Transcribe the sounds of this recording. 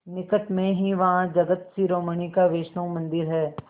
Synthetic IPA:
nɪkəʈmẽɦiʋɐɦãd͡ʒɐɡət̪siɾoːməɳ̃ikaʋeːʃnõmɐ̃nd̪ɪɾɦɛː

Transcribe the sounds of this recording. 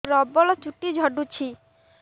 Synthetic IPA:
ɾɔbːɔlɔt͡ʃuʈːid͡ʑʱɔɖut͡ɕʰi

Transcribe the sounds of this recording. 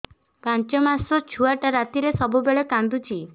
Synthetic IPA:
pant͡ʃɔmasɔt͡ʃʰuaʈaɾat̪iɾesɔbubeɭekand̪ut͡ʃʰi

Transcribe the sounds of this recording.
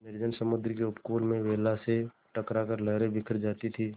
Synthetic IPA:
mɛɾd͡ʒənsəmʊd̪ɾk̬eʊpkoːlmẽʋeːlase | ʈəkɾakəɾləɦɾẽbɪkʰɾd͡ʒaːt̪it̪ʰiː

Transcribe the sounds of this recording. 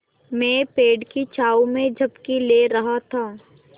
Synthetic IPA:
mɛ̃ːpeːɖkit͡ʃaːumẽd͡ʒʱɐbkileːɾɐɦat̪ʰaː

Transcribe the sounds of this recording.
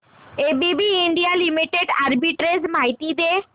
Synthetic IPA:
ebibiːɳɖijalimiʈeɖaɾbiʈɾesmajt̪id̪e

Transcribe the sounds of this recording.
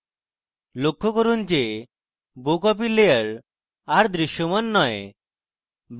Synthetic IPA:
lokʰːɔkɔɾuːnt͡ɕe | bokɔp̬ileəɾ | aɾd̪ɾiɕjɔmənːɔj | b

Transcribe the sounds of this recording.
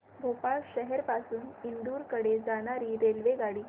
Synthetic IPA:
bʱopaɭɕəɦɛɾpasuːnind̪uːɾkəɽed͡zaɽ̃aɾiːɾelʋeɡaɽiː

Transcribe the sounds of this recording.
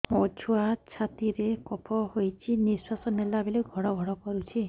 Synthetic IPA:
ɔt͡ʃʰuat͡ʃʰat̪iɾekɔpʰɔɦojt͡ʃʰiniswasɔnelabileɡʱɔɽɔɡʱɔɽɔkɔɾut͡ʃʰi

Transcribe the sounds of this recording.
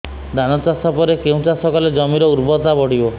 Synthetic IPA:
d̪ʱanɔt͡ʃasapɔɾekeũt͡ʃasɔkaled͡ʒɔmiɾɔuɾbɔt̪abɔɽibɔ

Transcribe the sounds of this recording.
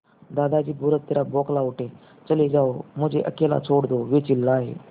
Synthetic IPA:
d̪ad̪ad͡ʑiːbʱuɾət̪̚ːeɾabɔklauʈẽ | t͡səled͡zaom̤əd͡ʑeʔəkela̰t͡sʰoɽd̪oʋet͡ɕilːaːɦḛ

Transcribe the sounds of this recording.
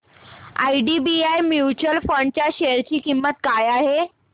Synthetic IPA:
a̰iɖibiajmjut͡ɕuəlfəɳɖ̚t͡ɕjaɕeɾt͡ɕiːkimːət̪̚kajaɦe

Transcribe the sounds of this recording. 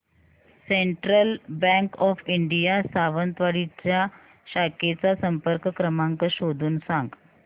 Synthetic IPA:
seɳʈɾəlbɛ̃ŋkɔfiɳɖijasaʋənt̪ʋaɽit͡ɕja | ɕaket͡sasəmpəɾkkɾəmãŋkəɕod̪ʱuːnsãŋɡ

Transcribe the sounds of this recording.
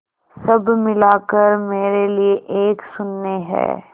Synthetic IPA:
sɐbmɪlaːkəɾmeːɾelieʔeːksʊnːeɦɛ̰ː

